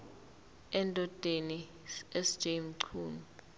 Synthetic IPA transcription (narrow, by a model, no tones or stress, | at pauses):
ɛntʼɔtʼeni | ɛsd̥d͡ʒ̥emǀʰuːn